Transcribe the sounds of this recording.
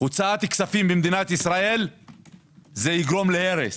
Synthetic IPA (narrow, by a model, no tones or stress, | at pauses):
ut͡saat̪iksafimbemd̪inat̪isʁae̞l | zejiɡʁo̞mleheʁes